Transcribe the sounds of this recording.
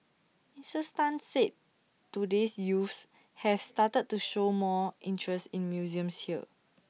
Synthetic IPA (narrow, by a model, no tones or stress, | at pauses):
ĩsəstãnset̚ | tudesjufs | hɛfstatəd̚tːuʃomɔʔĩntʰɹɛstĩnmjuziə̃mshiə̰